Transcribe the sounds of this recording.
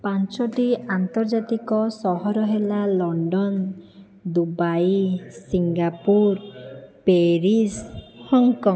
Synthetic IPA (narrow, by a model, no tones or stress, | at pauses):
pant͡ʃɔʈiant̪ɔɾd͡ʒat̪ikɔsɔɦɔɾɔɦelalɔɳɖɔn | d̪ubajsiŋɡapuɾpeɾishɔŋkɔŋ